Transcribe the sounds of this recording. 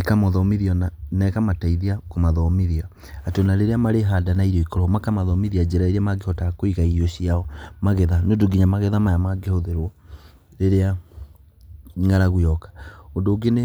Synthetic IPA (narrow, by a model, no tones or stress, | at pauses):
ekamɔðɔmiðiɔnanɛkamataiðiakomaðɔmiðiaː | tonaɾeɾeamaɾeɦadanaiɾɔikɔɾɔmakamaðɔmiðiad͡ʑɛɾaiɾiamaɡehɔtakoiɣaiɾiɔɕiaɔmaɣɛðanodoɡiɲamaɣɛðamajamaɡehoðeɾwɔ | ɾeɾea | ŋɡaɾaɣwɔkḁondoɡene